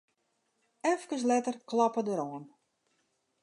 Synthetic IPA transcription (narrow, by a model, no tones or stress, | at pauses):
ɛfkəs̬lɛtərklɑpədəɾɔən